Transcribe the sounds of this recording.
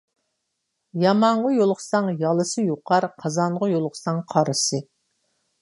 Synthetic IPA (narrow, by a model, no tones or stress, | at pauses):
jɑmɑɴʁəjolˠqsɑŋjɑlˠɨsɨjoqʰɑɾqʰɑzɑɴʁəjolˠqʰsɑŋqʰɑɾɨsɨ